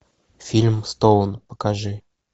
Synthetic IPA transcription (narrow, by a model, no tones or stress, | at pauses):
fʲilʲmst̪olˠənpə̥kaʐɨ